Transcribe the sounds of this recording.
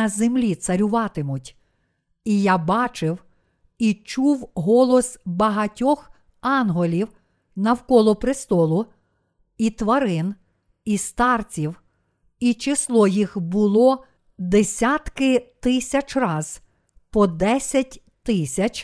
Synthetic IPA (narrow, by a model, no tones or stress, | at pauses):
ɐzemlʲit̪sɐɾʲʊʋɑt̪ɪmʊtʲ | ijabɑt͡ʃɪw | it͡ʃuwɦɔlˠɔsbɐɦɐtʲɔx | ɑnɦɔlʲiw | nɐwkɔlˠɔpɾɪst̪ɔlˠʊ | it̪ʋɐɾɪn | ist̪ɑrt͡sʲiw | it͡ʃɪslˠɔjixbʊlˠɔ | d̪esʲat̪kɪt̪ɪsʲɐt͡ʃrɑz̥ | pɔd̪ɛsʲɐtʲ | t̪ɪsʲɐt͡ʃʲ